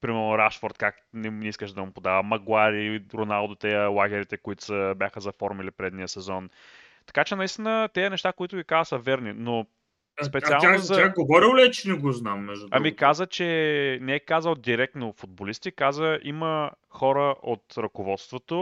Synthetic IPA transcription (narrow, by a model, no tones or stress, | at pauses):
pɾimɛɾnoɾaʃfoɾt̪kak | nɛiskəʃd̪ɐmʊpod̪avəmɐɡwaɾiɾonalˠd̪ot̪ɛjəlˠaɡʲɛɾit̪ɛkʊit̪ʊ̥səbʲjaxəzɐfɔɾmilipɾɛd̪nijəsɛzɔn | t̪ɐ̥kat͡ʃɛnɐist̪inət̪ɛjɐnɛʃt̪akoit̪ʊɡʲikazəsɐvɛɾnino | spɛt̪sialˠanosaɡovɔɾilʲɛt͡ʃɛnɛɡoznamːɛʒd̪ut̪ɐ̰ɾmikazət͡ʃɛnɛɛkazəlˠd̪iɾɛk̚t̪nofʊd̪̚bolist̪ikazəʔimə | xɔɾəʔot̪ɾɐkovɔt̪st̪vot̪o